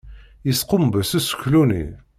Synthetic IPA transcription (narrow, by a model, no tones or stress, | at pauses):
jəsqəmbəsæsə̥kːlunḭ